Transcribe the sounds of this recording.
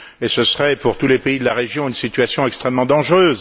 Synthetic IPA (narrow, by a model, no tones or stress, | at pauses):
esəsʁɛpuʁt̪ulepeid̪əlaʁeʒjɔ̃ynsit̪ɥasjɔ̃ɛkst̪χɛmːɑ̃d̪ɑ̃ʒʁøːz